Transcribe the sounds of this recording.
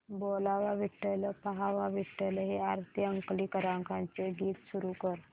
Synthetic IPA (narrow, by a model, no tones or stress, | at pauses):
bolaʋaʋiʈːələpaɦaʋaʋiʈːələɦeaɾt̪ʰiəŋkliːkəɾãŋkãnt͡seɡiːt̪suɾukəɾ